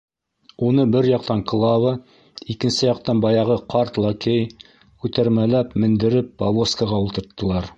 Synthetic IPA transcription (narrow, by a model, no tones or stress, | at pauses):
unɤbɘɾjɑq̚t̪ɑŋkɤ̆lˠɑwɤ | ikɘ̆nsɘjɑq̚t̪ɑnbɑjɑʁɤqʰɑɾt̪lˠɑkʲej | ʉt̪æɾmælæpmɘ̆nd̪ɘ̆ɾɘp̚pɐvˠoskɑʁɑulˠt̪ɤ̆ɾt̪ːɤ̆lˠɑɾ